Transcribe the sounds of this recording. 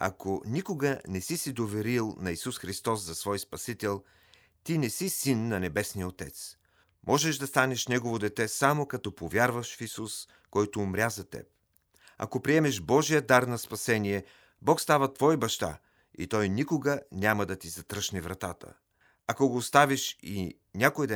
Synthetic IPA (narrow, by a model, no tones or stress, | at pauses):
ɐ̰konikoɡənɛsisid̪ovɛɾilˠnɐisusxɾist̪ɔszɐsvɔjspɐsit̪ɛlˠ | t̪inɛsisinːɐnɛbɛsnijəot̪ɛ̰t̪s | mʔɔʒɛʃd̪ɐst̪anɛʃnɛɡovod̪ɛt̪ɛsamokɐt̪ɔpovʲjaɾvəʃfisus | kɔjt̪oːmɾʲazɐt̪ɛ̰p̚ | ɐ̰kopɾiɛmɛʃbɔʒijəd̪aɾnɐspɐsɛniɛ | bɔkst̪avət̪vɔibɐʃt̪a̰ | ḭt̪ɔjnikoɡənʲamɐd̪ɐt̪izɐt̪ɾɤʃnɛvɾɐt̪at̪ə̰ | ɐkoɡoːst̪aviʃi | nʲakojd̪ɐ